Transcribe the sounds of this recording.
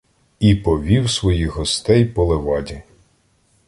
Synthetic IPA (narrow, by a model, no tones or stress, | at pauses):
ipɔʋʲiwsʋɔjixɦɔst̪ɛjpɔlˠeʋɑdʲi